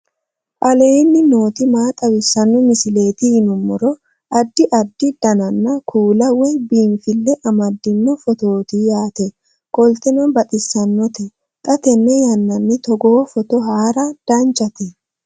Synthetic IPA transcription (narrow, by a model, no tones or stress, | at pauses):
ʔɐleːnːɪno̞ːt̪ɪmaːt̪ʼɐwɪsːɐnːɔmɪsɪle̞ːt̪ɪɪnʊmːɔɾɔ | ʔɐd̪ːɪʔɐd̪ːɪd̪̥ɐnɐnːɐkʰuːlɐwɛjbiːnfɪlːɛʔɐmɐd̪ːɪnːɔfɔt̪o̞ːt̪ijaːt̪ɛ | kʼɔlt̪ɛnɐnbɐt̪ʼɪsːɐnːɔt̪ɛ | t̪ʼɐt̪ɛnːɛjɐnːɐnːɪt̪ɔɡo̞ːfɔt̪ɔɦaːɾɐd̪̥ɐnt͡ʃʼɐt̪ɛ